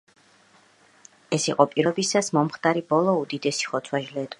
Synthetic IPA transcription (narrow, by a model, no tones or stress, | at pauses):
ɛsiqʼɔpʼiɾɔbisasmɔmχd̪aɾibɔlˠɔud̪id̪ɛsi̥χɔt̪sʰwaʒlɛt̪ʼi